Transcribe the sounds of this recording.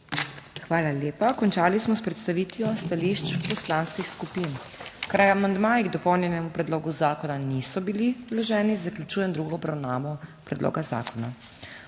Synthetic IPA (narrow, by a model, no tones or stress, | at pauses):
xʋaːlaleːpakɔnt͡ʃaːlismɔspɾɛt̪st̪aʋit̪ijɔst̪aliʃt͡ʃpɔslaːnskixskupin | kɾajamand̪maːjiɡd̪ɔpɔwnjɛnɛmupɾɛd̪loːɡuzaːkɔnanisɔbililɔʒɛːnizaklʲut͡ʃuːjɛnd̪ɾuɡɔːbɾawnaːʋɔpɾɛd̪lʔo̰ːɡaza̰ːkɔna